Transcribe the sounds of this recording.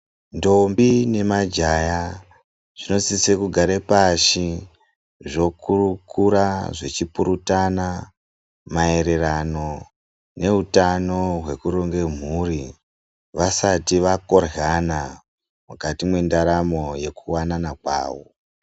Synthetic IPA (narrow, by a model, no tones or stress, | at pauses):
ndo̞mbine̞mad͡ʒaja | ʐ̥ino̞sisekuɡʱaɾepaʃi | ʐo̞kurukʰuɾaʐet͡ʃipuɾutana | mae̞ɾe̞rano̞ | ne̞utano̞ɦwe̞kuɾoŋɡe̞m̤uri | ʋasatiʋako̞rɦana | mukatimwendaɾamo̞je̞kuwananakwa̰ːwo